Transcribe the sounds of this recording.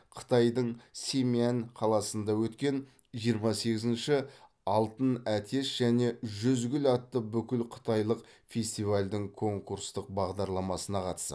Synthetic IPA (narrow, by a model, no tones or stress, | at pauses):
qʰə̥t̪ɑjd̪əɴsʲe̞miænqʰɑlˠɑsənd̪ɑwɵt̪kʲe̞n | ʒijəɾmɑse̞ɡʲɪzɪnʃɪ | ɑlˠt̪ənæt̪ʰe̞sʒ̥æne̞ʒʏzɡʲɪlɑt̪ːəbʏkʲɪlqʰə̥t̪ɑjlˠəq | fʲe̞st̪ijvalʲd̪ɪŋkʰo̞ŋkuɾst̪əq̚bɑʁd̪ɑɾlˠɑmɑsənɑqʰɑt̪ə̥sə̰